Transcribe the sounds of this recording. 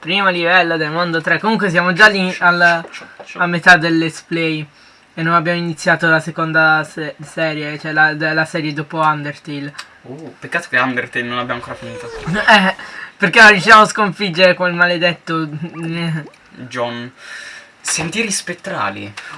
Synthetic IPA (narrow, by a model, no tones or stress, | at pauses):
pɾiːmolivɛlːod̪elmond̪ot̪ɾekːomuŋkwes̬jaːmod͡ʒalːialː | amːet̪ad̪elːesplɛj | enːonabjaːmoinit̪sːjaːt̪olasekond̪asɛsɛːɾjet͡ʃoɛlad̪lasɛːɾjed̪oːpoand̪ert̪il | upekːaːt̪o̥keand̪ert̪elnonabjaaŋkoːɾafiniːt̪aɛperkenout͡ʃiaːmoskoɱfid͡ʒːeɾekonilmaled̪et̪ːo | d͡ʒɔn | sent̪iɾispet̪ːɾa̰ːlḭ